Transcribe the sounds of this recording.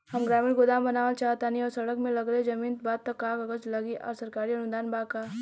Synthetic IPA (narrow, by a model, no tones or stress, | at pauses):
hɐmɡɾaːmiːlɡʊd̪aːmbɐnaːʋəlt͡ʃaːt̪aniɔːɾsɐɽəkmẽlɐɡɾəed͡ʒɐmiːnt̪̚baːd̪̚t̪ːɐkːaːkɐɡət͡ʃlɐɡiʔɔ̰ːɾsɐɾkaːɾiɐnʊnd̪aːnbaːkaː